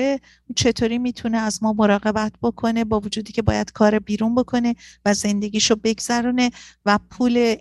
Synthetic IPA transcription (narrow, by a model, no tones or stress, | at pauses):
e | t͡ʃʰe̞t̪ʰoːɾiːmiːt̪ʰuneæzmɒːmo̞ɾɒːɣe̞bæt̪ʰb̥o̞kʰo̞ne̞bɒːvod͡ʒuːd̪iːcʰe̞bɒ̰ːjæd̪̥kʰɒːɾebiːɾunbo̞kʰo̞ne̞væze̞nd̪e̞ɟiːʃobe̞ɡz̥æɾuːne̞væpʰuːle̞